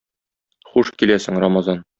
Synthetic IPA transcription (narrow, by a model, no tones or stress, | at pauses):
χuʃkilæsɘ̆ŋɾamɑzɑn